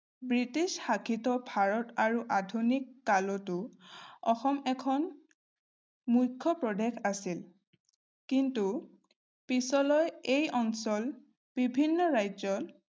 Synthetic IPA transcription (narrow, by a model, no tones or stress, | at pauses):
bɹitisxakʰitɔbʱaɹɔtaɹuʔadʱunikːalɔtʊɔxɔmɛkʰɔn | mujkʰːɔpɹɔdekasil | kintu | pisɔlɔjejɔnsɔl | b̥ibʱinːɔɹajzɔ